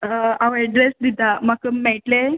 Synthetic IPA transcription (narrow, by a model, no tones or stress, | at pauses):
aʋɛɖɾesd̪it̪amakəmɛʈle